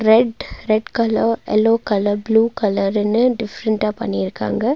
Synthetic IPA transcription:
ɾeɖɾeɖkɐloḛloːkɐlɐbluːkɐlɐɾɐnɨɖifɾɐɳʈaːpɐ̰niɾka̰ːŋɡɐ

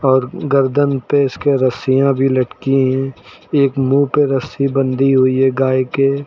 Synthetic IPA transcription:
ɔːɾɡəɾd̪ənpeɪskeɾəsijãbʱilɐʈkiɦɛ̃ | eːkmuːpeɾəsibə̃nd̪ʱiɦʊiɛɡaːeke

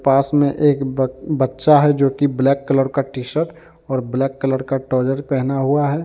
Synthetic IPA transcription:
paːsmẽʔeːkbətːʃaɦɛd͡ʒoːkiblɛːkːələɾkaʈiːʃəɾʈ | ɔːɾblɛːkːələɾkaʈɔːd͡ʒəɾpɛɦnaɦuaɦɛː

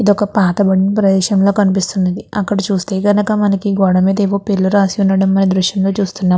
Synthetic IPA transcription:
id̪ɔkɐpaːt̪ɐbɐɽinipɾɐd̪ɛːʃɐmlo̞ːkɐnipist̪unːɐd̪iɐkːɐɽɐt͡ʃuːst̪e̞ːɡɐnɐkɐmɐnɐkiɡɔːɽɐmiːd̪ɐeʋoːpelːuɾaːsiunːɐɽɐmːɐnid̪ɾuʃjɐmlo̞ːt͡ʃuːst̪unːaː

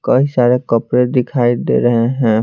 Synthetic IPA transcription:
kəisaːɾekəpɾed̪ɪkʰaːid̪ḛɾəɦeɦɛ̃ː

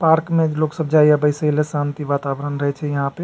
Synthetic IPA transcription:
paɾkmeloksəbd͡ʒaiabəɪsəilesãnt̪iʋat̪abɾənɾəɦɛt͡ʃʰɛjəɦãpe

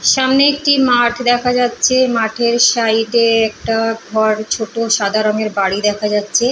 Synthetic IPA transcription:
ʃamneek̚ʈimaʈʰd̪ɛkʰad͡ʑatːɕʰemaʈʰeɾʃajʈeɛk̚ʈaɡʱɔɾt͡ɕʰoʈoʃad̪ʱaɾoŋeɾbaɽid̪ɛkʰad͡ʑatːɕʰe

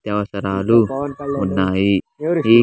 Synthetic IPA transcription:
t̪awasəɾalumunːai | i

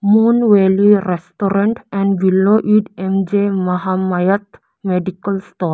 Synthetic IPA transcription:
moːnʋeliɾesʈoɾə̃ɳʈɛ̃ɳɖʋiloʔiɖẽmd͡ʒemɐɦamajət̪ | meɖikəlsʈɔːɾ

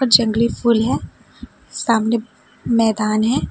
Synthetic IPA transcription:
d͡ʒɐ̃ŋɡlipʰuːlɦɛː | saːmne | mɛːd̪aːnɦɛː

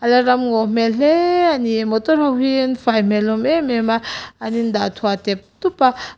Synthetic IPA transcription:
alaɾamŋom̥eɬeanimot̪oɾaɦinfajmelomememaanind̪at̪ʰuat̪ep̚t̪upa

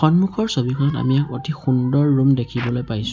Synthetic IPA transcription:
xɔnmukʰɔɹsobikʰɔnɔta̰miakotʰixundɔɹːumdekʰibɔlojpajsʊ̥̃

